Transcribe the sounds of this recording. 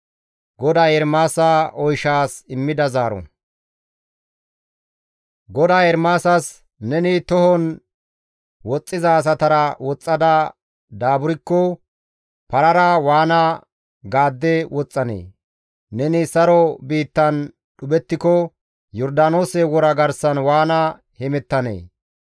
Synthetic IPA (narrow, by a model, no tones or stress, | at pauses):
ɡɔd̪aːjɛɾmaːsaɔjʃaːsɪmːɪd̪ɐzaːɾɔ̰ | ɡɔd̪aːjɛɾmaːsɐs | nɛnɪt̪ɔhɔn | wɔt͡sʼːɪzɐːs̬ɐt̪ɐɾɐwɔt͡sʼːɐd̪ɐ | d̪aːbʊɾɪkːɔ | pɐɾɐɾɐwaːnɐ | ɡaːd̪ːɛwɔt͡sʼːɐnḛː | nɛnɪsɐɾɔbiːt̪ːɐn | ɗʊbɛt̪ːɪkɔ | jɔɾd̪aːnoːsɛwɔɾɐɡɐɾsɐnwaːnɐ | hɛmɛt̪ːɐnḛː